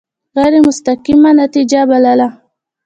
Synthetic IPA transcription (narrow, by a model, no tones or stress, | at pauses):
ɣajɾemʊst̪aqimanat̪id͡ʒabalala